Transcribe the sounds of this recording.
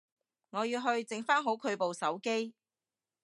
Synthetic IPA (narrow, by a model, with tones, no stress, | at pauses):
ŋɔː˨˧jiː˧wɦɵ˧ɥt͡sɪ˨˥ŋfaː˥nɦo˨˥wkʰɵ˨˧ɥpo˨wsɐ˨˥wke˥j